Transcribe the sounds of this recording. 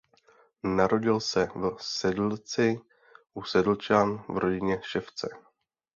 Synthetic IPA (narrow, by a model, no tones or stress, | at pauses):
naɾo̞ɟɪlsɛvsɛdl̩t͡sɪ | ʔusɛdl̩t͡ʃaːnvɾʔo̞ɟɪɲɛʃɛft͡sɛ